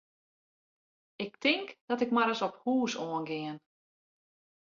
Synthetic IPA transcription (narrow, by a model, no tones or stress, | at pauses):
ɪk̚tʰɪŋkd̥ɔtɪkmaɾəsɔphuːsoənɡɪən